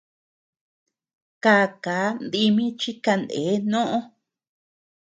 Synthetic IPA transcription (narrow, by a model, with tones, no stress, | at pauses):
kaː˧˨ka˨˦nd̪i˧mĩ˦t͡ʃi˦ka˧nd̪ḛː˨˦nõ˦ʔõ˦